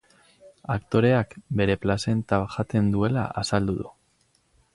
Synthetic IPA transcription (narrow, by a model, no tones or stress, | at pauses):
akt̪o̞ɾe̞akbe̞ɾe̞plase̞nt̪aʝat̪e̞nd̪ue̞la̰ʔasald̪uðṵ